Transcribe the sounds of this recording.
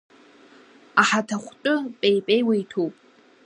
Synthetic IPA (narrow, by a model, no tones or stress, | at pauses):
aħatʰaχʷtʼʊpʼejpʼejwajtʰowpʼ